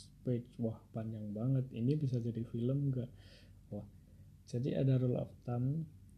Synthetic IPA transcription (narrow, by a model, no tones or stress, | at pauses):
pet͡ʃwahpanjaŋbaŋət̪inibis̬ad͡ʒadifiləmɡaʔ | wah | d͡ʒadḭʔa̰daɾulɔ̰ft̪am